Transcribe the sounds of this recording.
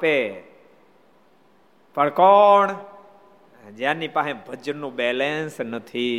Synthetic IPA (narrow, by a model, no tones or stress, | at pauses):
pe | pʰəɭkɔɳ | d͡ʒjãnipaɦẽbʱəd͡ʒnːũbɛlensnət̪ʰi